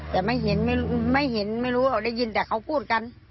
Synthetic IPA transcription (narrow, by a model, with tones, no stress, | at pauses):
t̪ɛː˨˩ma˥˩˨jɦe˨˦nma˧˩˨ma˥˩˨jhe˨˦nma˥˩jluː˧˦˥ʔa˧˩wda˥˩˨jːi˧nt̪ɛː˧˩kʰa˧˩wpʰuː˥˩t̪̚ka˧n